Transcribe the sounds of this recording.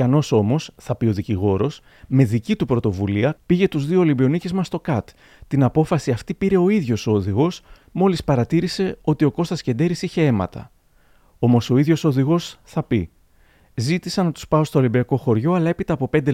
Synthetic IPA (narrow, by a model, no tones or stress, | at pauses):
ɐno̞so̞mo̞sθɐpio̞ðiciɣo̞ɾo̞s | me̞ðicit̪upɾo̞t̪o̞vuliɐpiʝe̞t̪uzðio̞ːlimbio̞nicezmɐst̪o̞kɐt̪ | t̪inɐpo̞fɐsiɐft̪ipiɾe̞o̞iðʝo̞sðiɣo̞s | mo̞lispɐɾɐt̪iɾise̞o̞t̪io̞ko̞st̪ɐsce̞nd̪e̞ɾisiçe̞e̞mɐ̰t̪ɐ̰ | o̞mo̞so̞iðʝoso̞ðiɣo̞sθɐpi | zit̪isɐnɐt̪u̥spɐo̞st̪oːlimbiɐko̞xo̞ɾʝo̞ɐlɐe̞pit̪ɐːpo̞pe̞nd̪e